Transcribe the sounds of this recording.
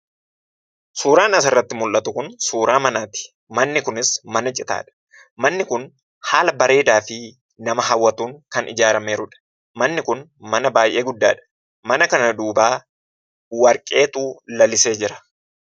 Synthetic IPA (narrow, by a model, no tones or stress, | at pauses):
suːɾaːnɐs̬ɪrːɐt̪ːɪmʊlʔɐt̪ʊkʊnsuːɾaːmɐnaːt̪ɪ̥ | mɐnːɪkʊnɪsmɐnɐt͡ʃʼɪt̪a̰ːᶑɐ̥ | mɐnːɪkʊn | haːlɐbɐɾe̞ːd̪aːfɪ | nɐmɐɦɐwːɐt̪uːŋkɐnʔɪ̰d͡ʒaːɾɐmeːɾʊᶑɐ̥ | mɐnːɪkʊnmɐnɐbaːjʔe̞ːɡʊd̪ːa̰ːᶑɐ̥ | mɐnɐkɐnɐd̪uːbaː | wɐɾkʼe̞ːt̪uːlɐlɪse̞ːd͡ʒɪɾɐ̥